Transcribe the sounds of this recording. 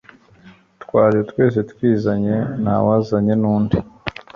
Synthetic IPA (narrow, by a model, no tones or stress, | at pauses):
twaːɾietwe̞ːs̬e̞twiːzaɲe̞na̰wazaɲe̞nuːndi